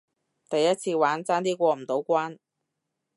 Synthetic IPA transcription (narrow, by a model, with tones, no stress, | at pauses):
t̪ɐ˨jːɐ˥t̚t͡sʰiː˧waː˨˥nt͡saː˥nt̪̬iː˥kʷɔː˧m̩˨˩t̪o˨˥wkʷaː˥n